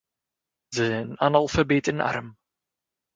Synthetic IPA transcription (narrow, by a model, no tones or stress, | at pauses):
zəɛnanalˠfabeːtɪna̰ɾm